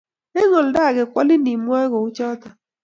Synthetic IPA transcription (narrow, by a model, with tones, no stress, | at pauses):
ɛ˦ŋɔ˨l̩˨da˦˨ɣe˨kʷɔ˦lɪ˦ni˨mwɔ˦ɣo˨u˦t͡ʃɔ˦ta˨